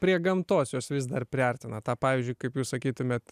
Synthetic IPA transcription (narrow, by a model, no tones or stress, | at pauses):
pʲɾʲiɛɡɐmt̪oːsjoːsʋʲɪs̬d̪ɐrpʲɾʲɪɐrʲt̪ʲɪnɐt̪ɑːpɑːʋʲizʲd͡ʒʲʊɪkɐɪpjuːssɐkʲiːt̪ʊmʲeːt̪